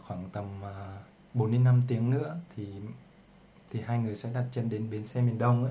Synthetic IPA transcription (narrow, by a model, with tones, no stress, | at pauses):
xwaː˧˩ŋt̪ə˨˩məː˨˩ | ɓo˨˦nːm˧ənːa˧mt̪i˨˦əŋnɨ̰˧˥ət̪ʰi˨˩ | t̪ʰi˨˩haː˧jŋɨ˨˩əjsɛ̰˧˥ɗa˨˩t̚t͡ɕə˧nɗe˨˦nɓe˨˦nsɛ˧mi˨˩ənɗə˧wŋ͡mʔ